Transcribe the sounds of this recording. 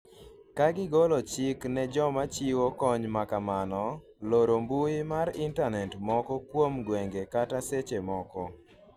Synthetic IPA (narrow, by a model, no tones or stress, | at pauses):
kaɡɪɡɔlɔt͡ʃɪknɛd͡ʒɔmat͡ʃiwokɔɲmakamanɔ | loɾombuɪmaɾɪntanɛtmɔkɔkwomɡwɛŋɡekataset͡ʃemɔkɔ